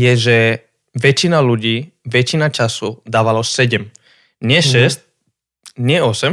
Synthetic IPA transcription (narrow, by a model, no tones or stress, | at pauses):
jɛʒɛ | ʋɛt͡ʃinaluɟiː | ʋɛt͡ʃinat͡ʃasud̪aːʋalɔsɛɟɛm | ɲɪɛʃɛsc | ɲɪɛɔsɛm